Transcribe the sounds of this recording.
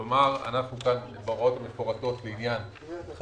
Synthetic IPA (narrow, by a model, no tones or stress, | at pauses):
omaʁa̰naχnukan | baʁo̞t̪ameʃpoʁat̪o̞t̪beinjan | χ